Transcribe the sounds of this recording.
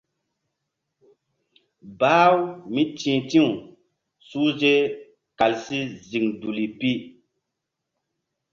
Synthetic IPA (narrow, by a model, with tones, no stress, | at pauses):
baː˦wmi˦tĩː˨tĩ˦u˨ | su˦ze˦ | ka˨lsi˦zi˨ŋdu˨li˨pi˦